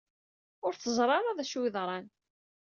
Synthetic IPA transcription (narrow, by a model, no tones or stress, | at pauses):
ʊɾθəzˤɾˤɑɾˤɑðæʃwɪðɾˤɑn